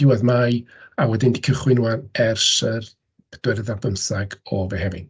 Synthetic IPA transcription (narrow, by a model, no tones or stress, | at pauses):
d̥ɪwaðmaj | awɛdɪndi̥kʰəχwɪnuarɛrsər | d̥wɛrðabəmsaɡɔvɛɦɛvɪ̰n